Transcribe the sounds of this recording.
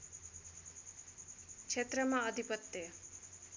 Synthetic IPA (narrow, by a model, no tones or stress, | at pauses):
kʃʰet̪ɾəmaəd̪ʱipət̪ːj